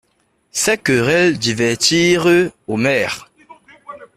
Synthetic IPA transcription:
sɛkøʁɛld̪ivɛʁt̪iːʁəomɛːʁ

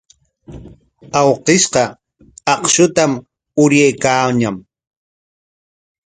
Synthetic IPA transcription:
ɑwqɪʃqɑ | ɑqʃʊt̪am | ʊɾjajkaːɲam

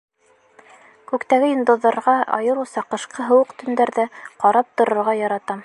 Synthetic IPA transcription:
kʉkt̪æɡɘjŏnd̪ŏðːɑɾʁɑɑ̰jɤɾusɑqɤ̆ʃqʰɤɦɤ̆wɤqt̪ɵ̆nd̪æɾðɘqɑɾɑp̚t̪ŏɾŏɾʁɑjɑɾɑt̪ɑm

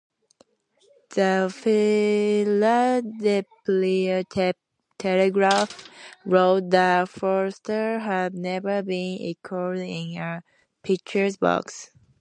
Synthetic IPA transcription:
ðəfɪ | lədɛpliə | tʰɛləɡɹafɹoʊt̚ðəfɔɹstə˞ɦədnɛvə˞bĩnɪ̰kʰɔɹɪ̃nə | pʰɪk̚t͡ʃə˞zbɑ̰ks

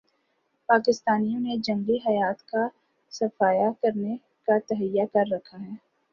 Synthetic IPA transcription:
paːkɪst̪aːnijõned͡ʒɐ̃ŋɡiɦɐjaːt̪ka | sɐfaːjakɐɾne | kat̪ɐɦəjːakɐɾːɐkʰaɦɛː

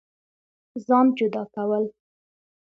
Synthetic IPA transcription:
zɑnd͡ʒʊd̪ɑkawəl

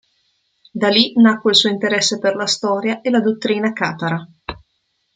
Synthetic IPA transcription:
d̪alinakːweilsuːoint̪eɾɛsːeperlast̪ɔːɾjaʔelad̪ot̪ːɾiːnakaːt̪aɾa

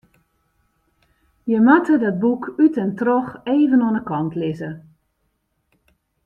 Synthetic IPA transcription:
jəmatʰədɔt̚bukytɛntrɔxeːvənɔnəkɔntlɪzə

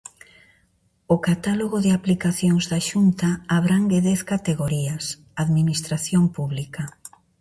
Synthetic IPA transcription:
okat̪aloɣoðɪaplikaθjoŋzðaʃunt̪aːβɾaŋɡeðɛθkat̪eɣoɾias | aðminist̪ɾaθjompuβlika

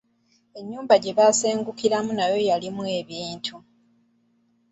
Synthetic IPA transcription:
e̞ɲːuːmbaɟe̞βase̞ːŋɡukiɾamunajo̞jalimwe̞ːβiːntʰu

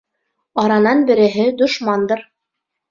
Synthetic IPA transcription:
ɑɾɑnɑnbɘ̆ɾɘ̆ɦɘd̪ŏʃmɑnd̪ɤɾ

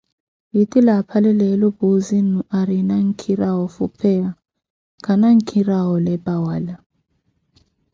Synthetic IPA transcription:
jitʼilapʰalɛlɛlɔbuzinuʔaɾinaŋ̩kʰiɾawɔfṵpʰɛa | kʰanaŋ̩kʰiɾaɦɔlɛbʼawaːla

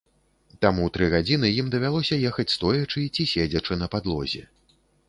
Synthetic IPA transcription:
t̪amut̪ɾɨɣad͡zʲinɨjimd̪ɐvʲalˠɔsʲɐjɛxɐt͡sʲst̪ɔjɐt͡ʂɨt͡sʲisʲed͡zʲɐt͡ʂɨnɐpad̪lˠɔ̰zʲɛ̰

